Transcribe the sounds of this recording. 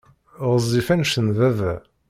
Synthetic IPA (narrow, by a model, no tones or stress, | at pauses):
ʁəzˤifænʃənðævæ